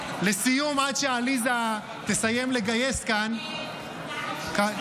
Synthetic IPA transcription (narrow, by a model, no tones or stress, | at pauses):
lesijumadʃealiza | t̪esajemleɡaje̞skan | ka